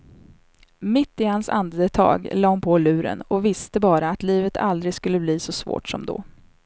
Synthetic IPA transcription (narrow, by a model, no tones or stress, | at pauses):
mɪt̪ːɪhansa̰nd̪ət̪ʰɑ̰ːɡlɑːhʊnpʰoːlʉ̟ːɾə̰nɔvɪst̪əbɑːɾaːt̪liːvət̪ʰa̰ld̪ɾɪɡskɵlːəbliːsɔsvo̰ːʈsɔ̰md̪ɔ̰